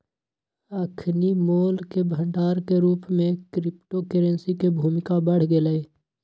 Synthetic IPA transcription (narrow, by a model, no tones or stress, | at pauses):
əkʰnimoːlkebʱə̃ɳɖaːɾkeɾuːpmẽkɾɪpʈokəɾə̃nsikebʱuːmɪkabəɽ̤ɡeləeː